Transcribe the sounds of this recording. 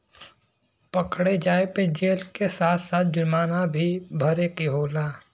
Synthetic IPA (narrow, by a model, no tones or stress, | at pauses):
pəkɽed͡ʒaːeped͡ʒeːlkesaːt̪ʰsaːt̪̚ʰd͡ʒʊɾmaːnabʱibʱɐɾekiɦoːlaː